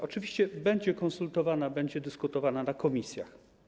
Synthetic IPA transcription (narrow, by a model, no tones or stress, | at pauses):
ɔt͡ʂɘvʲiɕt͡ɕɛbɛɲd͡ʑɛkɔnsult̪ɔvanabɛɲd͡ʑɛd̪ɘskut̪ɔvananakɔmʲisʲja̰x